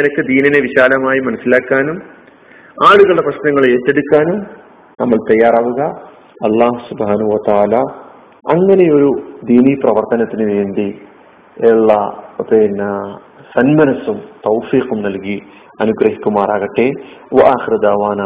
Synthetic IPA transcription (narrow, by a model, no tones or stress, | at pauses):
ɐnɐkːɨd̪iːnɐneʋiɕaːlɐmaːjimɐnɐsilaːkːaːnum | aːɭuɣɐɭɐprɐɕnɐŋːɐɭeːʈːe̞ɽukːaːnum | nɐmːɐɭt̪ɐjːaːɾaːʋuɣɐ | ɐlːaːɦusubhaːnɐɦuʋɐt̪aːlaː | ɐ̰ŋːɐne̞jo̞ɾud̪iːniːprɐʋɐrt̪ɐnɐt̪ːinɨʋeːnd̪i | eɭːɐɐpenːɐ | sɐnmɐnɐsumt̪ɐwfiːqumnɐlki | ɐnuɡrɐɦikʲːumaːraːɣɐʈːeʋɐʔaːxiɾud̪aːʋaːna